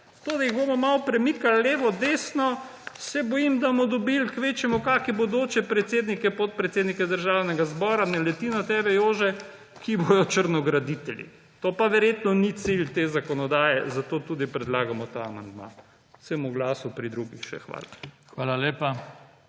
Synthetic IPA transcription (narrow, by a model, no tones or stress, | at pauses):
t̪oːd̪ajiɣboːmɔmawpɾɛmikalːeːʋɔd̪eːsnɔ | sɛbɔjimd̪amɔd̪ɔbilkʋeːt͡ʃjɛmukaːkibod̪oːt͡ʃɛpɾɛt̪seːd̪nikɛpot̪̚pɾɛt̪seːd̪nikɛd̪əɾʒawnɛɡazbɔːɾanɛlɛt̪inɔt̪ɛːbɛjoːʒɛ | kibojɔt͡ʃəɾnɔɡɾad̪it̪ɛljḭ | t̪opaʋɛɾjet̪nɔnit̪silt̪eːzakɔnɔd̪aːjɛzat̪oːt̪ud̪ipɾɛd̪laːɡamɔt̪aːmand̪ma̰̥ | səmuɡlaːsupɾid̪ɾuɡixʃɛ̰xʋa̰ːla̰xʋaːlaleːpa